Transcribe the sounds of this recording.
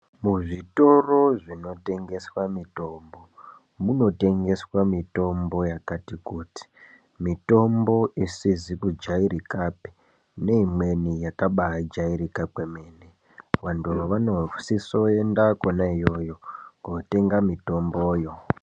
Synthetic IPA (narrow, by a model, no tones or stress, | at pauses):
muʐito̞ro̞ʐino̞te̞ŋɡe̞swamito̞mbo̞ | muno̞te̞ŋɡe̞swamito̞mbo̞jakatikuːti̥ | mito̞mbo̞ʔisizikud͡ʒaiɾikapi̥ | ne̞imwe̞nijakaɓaad͡ʒaiɾikakwe̞me̞ːne | ʋantuʋanosiso̞e̞ndakonaijo̞jo̞ɡote̞ŋɡamito̞mbo̞ːjo̞